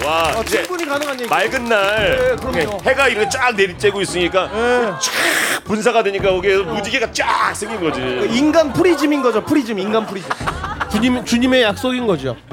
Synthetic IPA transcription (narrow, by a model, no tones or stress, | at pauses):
waaid͡ʑebuɲikanɯŋɦaɲemaɭɡɯnːaɭkɯɾʌohe̞ɡaiɾʌkʰet͡ɕ͈ak̚neɾit͡ɕ͈e̞ɡois͈ɯɲik͈ajet͡ɕak̚puns̬ʰaɡadweɲik͈akʌɡesʰʌmud͡ʑiɡiɡat͡ɕ͈ak̚s͈ʰeŋɡinɡʌd͡ʑikainɡanpʰuɾid͡ʑiminɡʌd͡ʑopʰuɾid͡ʑiminɡanpʰuɾid͡ʑimt͡ɕuɲimt͡ɕuɲime̞jak̚s͈oɡinɡʌd͡ʑio̰